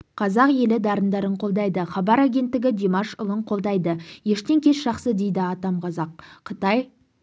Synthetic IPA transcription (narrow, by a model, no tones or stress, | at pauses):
qʰɑzɑqje̞lɪd̪ɑɾənd̪ɑɾəɴqʰo̞lˠd̪ɑjd̪əχɑbɑɾaɡʲe̞nt̪ːɪɡʲɪd̪ʲemɑʃʊ̰lˠəɴqʰo̞lˠd̪ɑjd̪əje̞ʃt̪e̞ŋkʲʰe̞sʒ̥ɑχsəd̪ejd̪ɪɑt̪ɑmqʰɑzɑq̚ːʰət̪ɑj